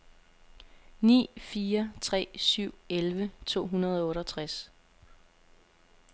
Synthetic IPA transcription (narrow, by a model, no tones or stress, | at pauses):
nḭːfiːɐt͡sʰʁɛ̰ːsyʊ̰elʋət͡sʰo̝̰ːɦunɐð̞ˠɒɔ̽ːɾɒt͡sʰʁas